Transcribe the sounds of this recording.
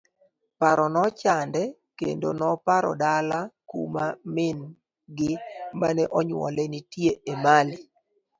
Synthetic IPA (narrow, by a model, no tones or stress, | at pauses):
paɾɔnɔt͡ʃandɛ | kḛndo̰nɔpaɾɔ̰dalakṵmamɪn | ɡɪmanɛʔɔɲwɔ̰lɛnitjeemali